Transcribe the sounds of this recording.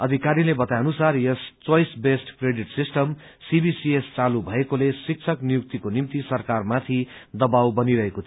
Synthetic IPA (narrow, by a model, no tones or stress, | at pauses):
ʌd̪ʱikaɾilebʌt̪ajʌnusarjʌst͡swʌjsbesʈkreɖiʈsisʈʌm | sibisiest͡salubʱʌekolesik̚t͡sʰʌknijuk̚t̪ikonimt̪isʌrkarmat̪ʰid̪ʌbawbʌniɾʌɦekot̪ʰ